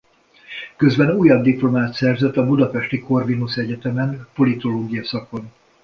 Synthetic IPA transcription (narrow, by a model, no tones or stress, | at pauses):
kø̞zbɛnuːjɒb̚d̪iplo̞maːt̪sɛrzɛt̪ːɒbud̪ɒpɛʃt̪iko̞rvinusɛɟɛt̪ɛmɛnpo̞lit̪o̞loːɡijɒsɒko̞n